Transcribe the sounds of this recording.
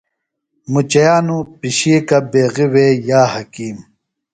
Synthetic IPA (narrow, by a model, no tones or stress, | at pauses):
mut͡ɕɐjaːnupiɕiːkɐbeːɣiwejaːhɐkiːm